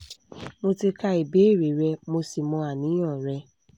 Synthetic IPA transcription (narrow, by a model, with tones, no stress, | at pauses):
mo˧ti˧ka˧i˨be˨˦˨ɾi˨ɾɛ˧mo˧si˨mɔ̃˧˦a˨nĩ˨˦ɔ̃˦˨ɾɛ˧